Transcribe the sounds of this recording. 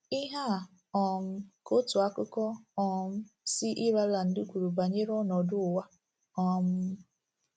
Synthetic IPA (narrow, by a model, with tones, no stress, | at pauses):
i˦ɦa˦˨ | ɔ˨m̩˦ko˦tʊ˨a˦kʊ˦kɔ˦ɔ˨m̩˦si˦ʔi˦ɾa˦la˨n̩˨dʊ˦kʷu˨ɾu˨ba˨ɲe˦ɾɔ˦nɔ˨dʊ˦˨wa˦ | ɔ˦˨m̩˦